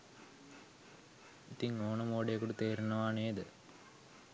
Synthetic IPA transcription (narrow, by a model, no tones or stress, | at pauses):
it̪iŋoːnəmoːɖejɐkuʈut̪eːɾunɐʋaːneːd̪ə